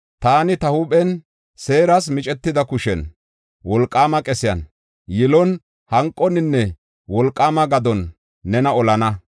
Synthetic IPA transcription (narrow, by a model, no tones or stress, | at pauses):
t̪aːnɪt̪ɐhʊpʼɛn | se̞ːɾɐs̬mɪt͡ʃʼɛt̪ːɪd̪ɐkʊʃɛn | wɔlkʼːaːmɐkʼɛsɪjɐ̰n | jɪlɔn | hɐŋkʼːɔnɪnːɛ | wɔlkʼːaːmɐɡɐd̪ɔnː | ɛnɐɔlɐnɐ